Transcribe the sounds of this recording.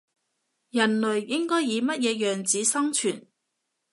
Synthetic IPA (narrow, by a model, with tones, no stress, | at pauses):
jɐ˨˩nlɵ˨˩ɥjɪ˥ŋkɔː˥jːiː˨˧mɐ˥t̚jɛː˨˧jœː˨ŋt͡siː˨˧sɐ˥ŋt͡ʃʰyː˨˩n